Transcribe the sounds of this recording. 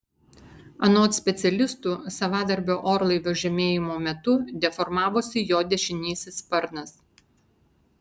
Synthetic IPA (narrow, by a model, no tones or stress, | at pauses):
ɐnoːt̪sʲpʲɛt̪sʲɛlʲɪst̪uːsɐʋɑːd̪ɐɾʲbʲoːʔoːɾlˠɐɪʋʲoːʒʲɛmʲeːjɪmoːmʲɛt̪ʊd̪ʲɛfɔɾmɑːʋoːsʲɪjoːd̪ʲɛʃʲɪnʲiːsʲɪspɐɾnɐs